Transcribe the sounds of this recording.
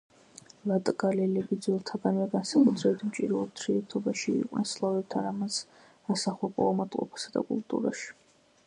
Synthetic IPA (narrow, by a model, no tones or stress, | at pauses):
lat̪ʼɡalɛlɛbid̪zwɛlˠt̪ʰaɡanvɛɡansakʼud̪ʰɾɛbit̪ʰmt͡ʃʼḭɾɛut̪ʰɾiɛt̪ʰɔbaʃḭːqʼnɛ̰nslˠavɛb̚t̪ʰaɾamas | asaχɔpʼɔ̰amat̪ʼqʼɔ̰pʰḁsad̪a̰kʼṵlt̪ʼṵɾaʃi̥